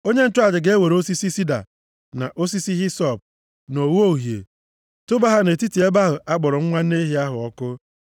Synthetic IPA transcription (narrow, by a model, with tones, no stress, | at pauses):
o˦ɲe˦n̩˦tʊ˦a˦˨d͡ʒɪ˨ɡe˦e˦we˨ɾo˦si˦si˦si˦da̰˨ | na̰˨ʔo˦si˦si˦ɦi˦sɔ˨b̚ | no˨wu˦o˦˨ɦjḛ˨ | tʊ˦ba˦ɦa˦ne˨ti˦ti˨e˦ba˦ɦʊ˨ʔa˦ɡ͡bɔ˨ɾɔ˨ŋ̩˦ŋʷa˦ne˦ɦi˦a˦ɦʊ˨ɔ˦kʊ˦